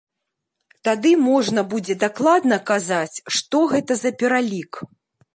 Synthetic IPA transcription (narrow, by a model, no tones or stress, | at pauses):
t̪ad̪ɨmɔʐnɐbud͡zʲɛd̪aklˠad̪nɐkazat͡sʲʂt̪ɔɣɛt̪ɐzɐpʲɛɾalʲik